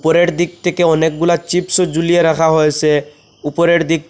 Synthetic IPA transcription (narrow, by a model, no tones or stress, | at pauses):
pɔɾeʈd̪ik̚t̪ʰekeɔnek̚ɡulat͡ʃipsɔzulijeɾakʰaɦojsɛ | upɔɾeʈd̪ik̚